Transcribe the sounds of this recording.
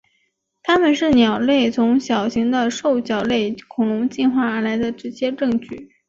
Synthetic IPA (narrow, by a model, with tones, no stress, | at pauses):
t̪ʰa˥mə˨nʂɻ̩˥˩njɑ˨˩ʊle˥˩ɪt͡sʰʊ˧˥ŋɕjɑ˨˩ʊɕi˧˥ŋd̪ə˧ʂo˥˩ʊɕjɑ˨˩ʊle˥˩ɪkʰʊ˨˩ŋlʊ˧˥ŋt͡ɕi˥˧nxwa˥˩ə˞˧˥la˧˥ɪd̪ə˧ʈ͡ʂɻ̩˧˥t͡ɕjɛ˥ʈ͡ʂɤ˥˧ŋt͡ɕy˥˩